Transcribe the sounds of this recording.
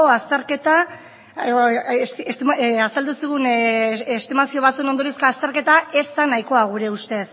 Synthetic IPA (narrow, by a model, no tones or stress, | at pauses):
oast̪eɾket̪a | sasald̪usiɣ̞unest̪imasio̞β̞at͡sueno̞nd̪o̞ɾiskoast̪eɾke̞t̪ae̞st̪anajiko̞aɣ̞uɾe̞ust̪e̞ð